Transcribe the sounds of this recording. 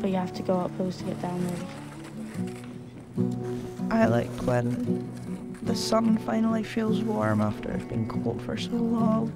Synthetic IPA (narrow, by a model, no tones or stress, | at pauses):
b̥ʌʔjəhaftʰəɡoʊʌpʰoʊstʰəɡɛʔd̥ãʊ̃nə˞ə | ʔaɪlˠaɪkʰwə̃n | ðəsʌ̃nfãɪ̃nl̩ˠifilˠzwɔɹmaftə̰˞ɪ̰vbḭ̃nkʰɔlˠtfə̰˞solɔlˠ